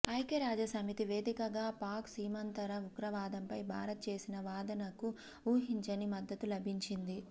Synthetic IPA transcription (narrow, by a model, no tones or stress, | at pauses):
ɐjkeɾaːd͡ʒɐsɐmit̪iʋe̞ːd̪ikɐɡaːpaːksiːmɐnt̪ɐɾɐukɾɐʋaːd̪ɐmpɐjbʱa̰ːɾɐt̪̚t͡ʃe̞ːsinɐʋaːd̪ɐnɐku | uːɦiɲt͡ʃɐnimɐd̪ːɐt̪ulɐbʱiɲt͡ʃind̪i